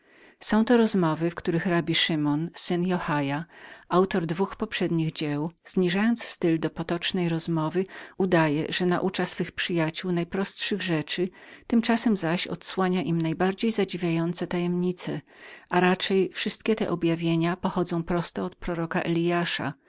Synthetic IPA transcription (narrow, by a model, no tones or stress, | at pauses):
sɔ̃w̃t̪ɔɾɔzmɔvɘfkt̪uɾɘxɾabʲiʂɘmɔnsɘnjɔxajaawt̪ɔɾd̪vuxpɔpʂɛd̪ɲiɣd͡ʑɛwz̥ɲiʐajɔnt̪sst̪ɘld̪ɔpɔt̪ɔt͡ʂnɛjɾɔzmɔvɘud̪ajɛ̰ʐɛnaʔut͡ʂasfɘxpʂɘjat͡ɕuwnajpɾɔst̪ʂɘɣʐɛt͡ʂɘt̪ɘmt͡ʂasɛmzaɕɔ̰t̪swaɲaʔimnajbaɾd͡ʑejzad͡ʑivʲjajɔnt̪sɛt̪ajɛmɲit̪sɛ | ʔaɾat͡ʂɛjfʂɘst̪̚kʲɛt̪ɛ̰ʔɔbʲjavʲjeɲapɔxɔd̪zɔ̃w̃pɾɔst̪ɔɔt̪̚pɾɔɾɔkaʔɛlʲijaʂa̰